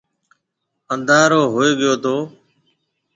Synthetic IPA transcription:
ənd̪aːɾoːɦoːeːɠɪjoːt̪ʰoː

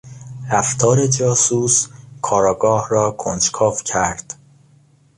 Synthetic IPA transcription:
ɾæft̪ʰɒːɾe̞d͡ʒɒːsuːskʰɒːɾɒːɡɒːhrɒːkʰond͡ʒkʰɒːfcʰæɾd̪̥

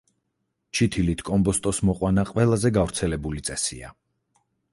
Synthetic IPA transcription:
t͡ʃʰit̪ʰilit̪ʰkʼɔmbɔst̪ʼɔsmɔqʼwanaqʼwɛlˠazɛɡavɾt̪sʰɛlɛbulit̪sʼɛsḭa̰

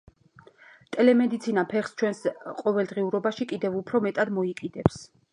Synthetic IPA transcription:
t̪ʼɛlɛmɛd̪it̪sʰinapʰɛχst͡ʃʰwɛnsqʼɔvɛlˠd̪ʁiuɾɔbaʃikʼid̪ɛvupʰɾɔmɛt̪ʼad̪mɔikʼid̪ɛps

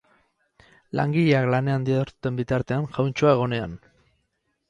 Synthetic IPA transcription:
la̰ŋɡiʎeaklane̞and̪iaɾt̪ut̪e̞mbit̪aɾt̪e̞anʝawnt͡ʃuae̞ɣ̞o̞ne̞a̰n

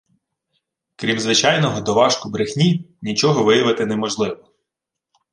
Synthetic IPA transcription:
kɾʲimzʋɪt͡ʃɑjnɔɦɔd̪ɔʋɑʃkʊbɾɪxnʲinʲit͡ʃɔɦɔʋɪjɐʋɪt̪ɪnɛmɔʒlˠɪʋɔ

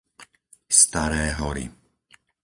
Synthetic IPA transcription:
st̪aɾɛːɦɔɾḭ

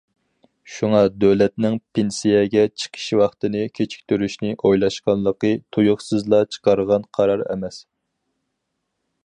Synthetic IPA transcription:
ʃuŋɑd̪øwlɛt̪nɪŋpʰensijɛɡʲɛt͡ʃʰə̥qʰə̥ʃwɑχt̪ɨnɨkʲʰet͡ʃʰi̥kʲt̪ʰyɾyʃnɪʔojlˠɑʃqɑnlˠəqət̪ʰujʊχsɨzlˠɑt͡ʃʰə̥qʰɑɾʁɑnqʰɑɾɑɾɛ̰mɛs

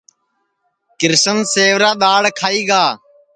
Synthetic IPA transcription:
kɪɾsənseːʋɾaːɗ̪aːɽkʰaːiːɡaː

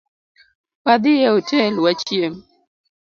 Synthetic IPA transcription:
pad̪ɪjɛotɛlwat͡ʃjem

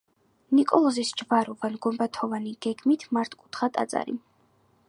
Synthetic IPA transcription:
nikʼɔlˠɔzisd͡ʒvaɾuvanɡɔmbat̪ʰɔvaniɡ̥ɛɡmit̪ʰmaɾt̪ʰkʼut̪ʰχat̪ʼa̰t̪sʼa̰ɾḭ

